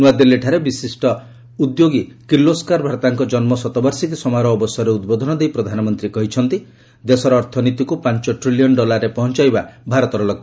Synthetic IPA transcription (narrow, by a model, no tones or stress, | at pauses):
nuad̪elːeʈʰaɾebisisʈɔ | ud̪joɡikiloskaɾbʱaɾt̪aŋkɔd͡ʒɔnmɔsɔt̪ɔbaɾsik̬isɔmaɾɔːbɔsjɔɾeud̪bod̪ʱɔnɔd̪ejpɾɔd̪ʱanɔmɔnt̪ɾikɔɦit͡ʃʰɔnt̪i | d̪esɔɾɔːɾt̪ʰɔnit̪ikupant͡ʃɔʈɾilijɔnɖɔlaɾepɔɦɔnt͡ʃajbabʱaɾɔt̪ɔɾɔlɔɡ̚